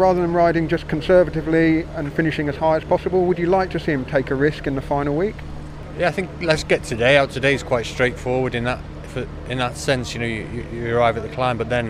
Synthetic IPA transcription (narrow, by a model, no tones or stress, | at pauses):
ɹɑːðəðə̃nɹaɪɾɪ̃ŋd͡ʒʌskʰə̃n̩sɜ˞vəɾɨvliə̃nfɪ̃nɪʃɪ̃ŋɨz̥haɪəz̥pʰɒsəbəlˠwəd͡ʒɨlaɪk̚tʰɨsiɨ̃mtʰeɪkəɹɪskɨ̃nðəfãɪ̃nl̩ˠwiˑk | jæaɪθɪ̃ŋklətsɡ̥ɛtʰɨdeɪaʊtʰɨdeɪz̥kʰw̥aɪtstɹ̥eɪtfɔɹwəɾɨ̃nðət | fə | ɪ̃nðətsɛ̃nsjɨnoʊjɨjɨjɨːɹaɪvɨt̪̚ðəkʰl̥ãɪ̃mbʌt̪̚ðɨ̃n